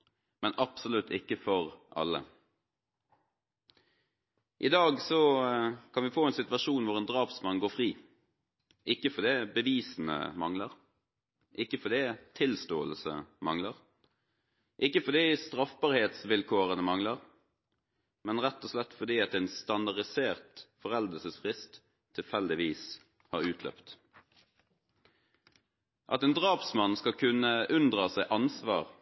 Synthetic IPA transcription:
mɛnɑpsʊlʉt̪ʰːɪkːəfɔʁʔɑ̰lːə̰ | ʔɪd̪ɑːɡsɔkʰɑnʋɪfoːɛːnsɪt̪ʋɑʂuːnʋʊʁɛnd̪ʁɑːpsmɑnɡoːfʁiː | ʔɪkːəfɔd̪ɛːbəʋiːsn̩ə̰mɑŋləʁ | ʔɪkːəfɔd̪ɛːt̪ʰɪlst̪oːəlsə̰mɑŋləʁ | ʔɪkːəfɔd̪iːst̪ʁɑfbɑːʁheːt̪sʋɪlkʰoːʁənəmɑŋləʁ | mɛnʁɛt̪ːɔslɛt̪ːfɔd̪iːɑt̪ɛːnst̪ɑnd̪ɑʁɪseːʁt̪fɔʁɛld̪əsəsfʁɪst̪ʰː | ɪlfɛld̪ɪʋiːs | hɑ̰ʁʉːt̪ʰlœ̰pt̪ | ʔɑ̰t̪ɛːnd̪ʁɑːpsmɑnskɑkʰʉnəʔʉnd̪ʁɑsæɪʔɑnsʋɑːʁ

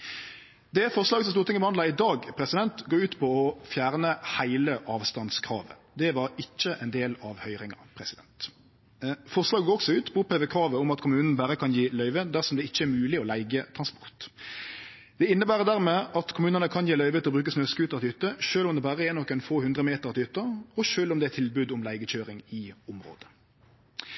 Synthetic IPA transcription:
d̪ɛæfɔʁslɑːɡəsɔmst̪uːʁt̪ʰɪŋːəbəhɑnd̪ɑɪd̪ɑːɡpʰɾɛsɪd̪ɛnt̪ɡoːʉːt̪pʰɔɔfjæːʁnəhæɪləʔɑːʋst̪ɑnskʰʁɑ̰ːʋə̰ | d̪ɛʋɑɾɪc͡çːəʔɛnd̪eːlɑʋhœʏʁɪŋɑ̰pʰɾɛsɪd̪ɛnt̪ | fɔʁslɑːɡəɡoːɾɔksɔʉːt̪pʰɔpʰeːʋəkʰʁɑːʋəʊmɑt̪kʰʊmʉːnn̩bæɾəkʰɑnjiːlœʏʋəd̪æʁsɔmd̪ɛɪçːəæɾmʉːlɪɔlæɪɡət̪ʰɾɑnspɔ̥ʁt̪ | d̪̥ɛɪnːəbæːʁəd̪æːʁmɛːʔɑt̪kʰʊmʉːnənəkʰɑnjiːlœʏʋət̪ʰɪlɔbɾʉːkəsnøːskʉːt̪ɑɾt̪ɪyːt̪əʃøːlɔmd̪ɛbæːɾəeːnɔkːɛnfoːhʉnd̪ʁəmeːt̪əʁɑt̪ɪyːt̪əɔʃøːlɔmd̪ɛæt̪ʰɪlbʉːd̪ʊmlæɪɡəçøːɾɪŋɪʊmɾo̰ːd̪ə̥

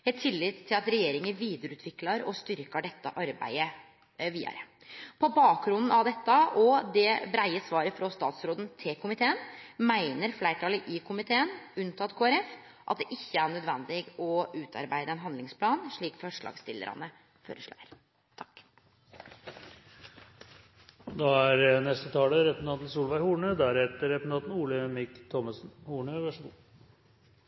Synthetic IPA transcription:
hɛt̪ʰːɪlːɪt̪ʰːɪlɑt̪ɾɛjeːɾɪŋəʋiːd̪əɾʉːt̪ʋɪklɑɾɔst̪ʏɾkəɖɛt̪ːəʔɑɾbæ̰ɪə | ʋḭːɾə | pʰɔbɑːkɾʊnd̪n̩ɑʋd̪ɛt̪ːəʔɔd̪ɛbɾæɪəsʋɑːɾəfɾɔst̪ɑ̰ːt̪sɾoːd̪n̩t̪ʰɪkʰʊmɪt̪ʰeːənmæɪnəɾflæɪʈʰɑːləʔɪkʰʊmɪt̪ʰeːənʉnt̪ʰɑt̪kʰoːæɾɛf | ʔɑt̪̚d̪ɛʔɪçːəæɳœd̪ʋɛnd̪ɪɡɔʉːt̪ʰɑ̰ɾbæɪd̪əɛnɦɑnd̪lɪŋspʰlɑːnʂɭiːkfɔʂɭɑ̰ːɡst̪ɪlːə̰ɾɑ̰nə | føːɾəʂɭæ̰ːəɾ | t̪ʰɑ̥kː | d̪ɑæɾnɛst̪ət̪ʰɑːləɾɛpnt̪ɑːt̪n̩suːlʋæɪhuːɳəd̪æɾheːt̪əɾɛpnɑːt̪n̩uːləmɪkt̪ʰɔməsnhuːɳəʋæʂu

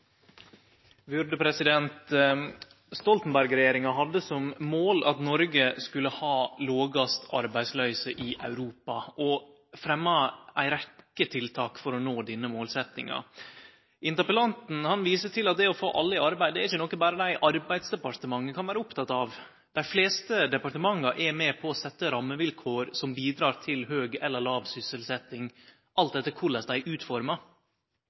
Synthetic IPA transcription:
bʉɾd̪əpʰɾɛsɪd̪ɛnt̪ | st̪ɔlt̪n̩bæɾɡɾɛjeːɾɪŋɑɦɑd̪əsɔmmoːlʔɑt̪nɔɾɡəskʉlːəhɑːloːɡɑst̪ʰɑ̰ɾbæɪslœʏsəʔɪʔɑʉɾuːpɑ̰ʔɔ | fɾɛmːɑʔæɪɾɛkːət̪ʰɪlt̪ʰɑːkfɔɾɔnoːd̪ɪnːəmoːlsɛt̪nɪ̰ŋɑ̰ | ʔɪnt̪əɾpəlɑnt̪n̩hɑnʋiːsəʈʰɪlɑt̪̚d̪ɛɔfo̰ːʔɑlːɪɑɾbæɪd̪ɛæɾɪçənɔkːənbɑːɾəd̪æɪʔɑɾbæɪd̪sd̪ɛpɑɾt̪əmɑŋːəkʰɑnʋæːɾəʊpt̪ʰɑt̪ːɑʋ | d̪̥æɪfleːst̪əd̪ɛpɑɾʈ̪əmɑŋːɑɾʔɛmɛːpʰɔːsɛt̪ːəɾɑmːəʋɪlkʰoːɾsɔmbiːd̪ɾɑːɾt̪ʰɪlhøːɡɛlːəɭɑːʋsʏsəlsɛt̪ːɪŋ | ʔɑlt̪̚d̪ɛt̪ːəkʰʊɭəsd̪æɪʔʉːt̪fɔɾmɑ

